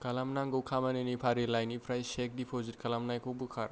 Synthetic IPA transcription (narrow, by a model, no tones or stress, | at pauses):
kɐlamnaŋɡowkʰamanenipʰaɾilajnipʰɾajsek̚dipʰozit̚kʰɐlamnajkʰobukʰaɾ